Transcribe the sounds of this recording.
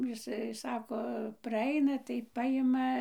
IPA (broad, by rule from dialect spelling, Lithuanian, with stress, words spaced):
jɪˈsɐɪ ˈsɑːkoː prɐˈɐɪnɐ tɐɪ ˈpɑːjɪmɐ